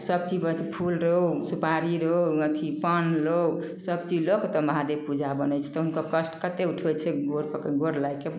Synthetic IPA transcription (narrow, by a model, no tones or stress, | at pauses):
səb̚t͡ʃibət̪ʰpʰulɾəɦusupaɾiɾəuət̪ʰipənlow | səb̚t͡ʃilokt̪ɔmɦad̪epud͡ʒʱabənɛt͡ʃʰɛ̥t̪ɔɦunkəkəsʈkət̪euʈʰɛt͡ʃʰɛɡoɾkəkəɡoɾlajke